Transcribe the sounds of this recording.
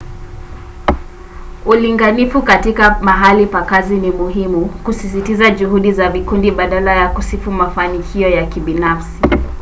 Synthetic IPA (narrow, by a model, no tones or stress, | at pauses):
uliŋɡanifukatikamaɦalipakazinimuɦimukusis̬itizaʄuhuɗizavikundiɓaɗalajakusifumafanikʰiɔjakiɓinafsi